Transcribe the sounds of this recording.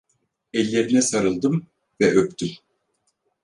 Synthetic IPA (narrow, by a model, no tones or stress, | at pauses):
ɛlʲːe̞ɾinɛsaɾɯlˠd̪ɯm | vɛʔøpt̪ʰym